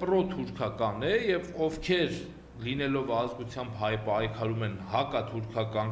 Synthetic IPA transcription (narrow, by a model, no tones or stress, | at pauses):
prɔt̪ʰuɾkʰɑkɑnɛjɛvɔvkʰɛɾ | linɛlɔvɑzɡut͡sʰjɑmbɦɑjpɑjkʰɑɾumɛnhɑkɑt̪ʰuɾkʰɑkɑn